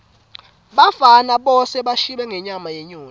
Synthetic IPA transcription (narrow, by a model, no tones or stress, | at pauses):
ɓafanaɓɔsɛɓaʃiɓɛŋʱɛɲamajɛɲoː